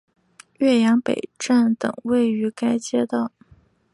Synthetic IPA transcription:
ɥɛ˥˩jɑ˧˥ŋpe˨˩ɪʈ͡ʂa˥˩nt̪ɤ̰˨˩ŋwe˥˩ɪy˧˥ka˥ɪt͡ɕjɛ˥t̪ɑ˥˩ʊ

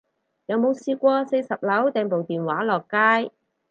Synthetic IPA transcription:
jɐ˨˧wmo˨˧wsiː˧kʷɔː˧se˧jsɐ˨˩p̚lɐ˨˥wt̪ɛː˨˧ŋpo˨wt̪iː˨˩nwaː˨˥lɔː˨˩kːaː˥j

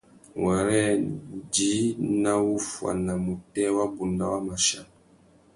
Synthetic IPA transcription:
wa˨ɾɛ˦di˨˦na˦wu˦fwa̰˨na˨mu˨tɛ˦wa˦bu˨nda˦wa˦ma˨ʃa˦˨

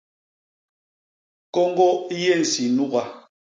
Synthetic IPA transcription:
kɔ˦ŋ˦ɡɔ˦i˦je˦˨n̩˨si˨nu˦ɣa˨

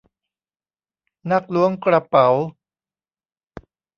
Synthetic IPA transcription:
na˥˩k̚lu˦˥əŋkɾa˧pa˩˦w

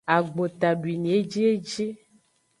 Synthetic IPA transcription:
a˨ɡ͡bo˨t̪a˨ɖwi˨nĩ˨e˦d͡ʒi˦e˦d͡ʒi˦

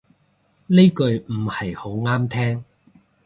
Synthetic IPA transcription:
ne˥kɵ˧ɥm̩˨˩hɐ˨jho˨˥wŋaː˥mt̪ʰɛː˥ŋ

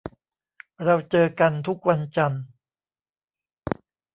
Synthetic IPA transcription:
ɾa˧wt͡ɕɤː˧ka˧nt̪ʰu˦˥k̚wa˧nt͡ɕa˧n

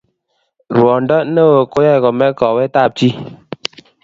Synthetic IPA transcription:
ɾwɔ˨n̩˨˦dɔ˦n̩˦no˦˨wo˨ko˦jɛ˦˨kɔ˨mɛ˦kɔ˨we˦ta˦˨p̚ti˦

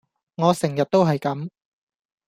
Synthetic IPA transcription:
ŋɔː˨˧sɪ˨˩ŋjɐ˨t̚t̪o˥wɦɐ˨jkɐ˨˥m

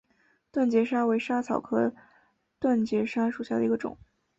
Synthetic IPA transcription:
t̪wa˥˩nt͡ɕjɛ˧˥ʂa˥we˧˥ɪʂa˥t͡sʰɑ˨˩ʊkʰɤ˥ | t̪wa˥˩nt͡ɕjɛ˧˥ʂa˥ʂu˨˩ɕja˥˩d̪ə˩i˧˥ɡə˧ʈ͡ʂʊ̰˨˦ŋ

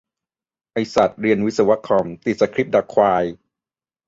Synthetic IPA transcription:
ʔa˧jsa˨˩t̪̚ɾi˧ənwt̪̚sa˧wa˦˥kʰɔ˧mt̪i˨˩sa˧kʰɾi˦˥p̚da˨˩kʰwaː˧j

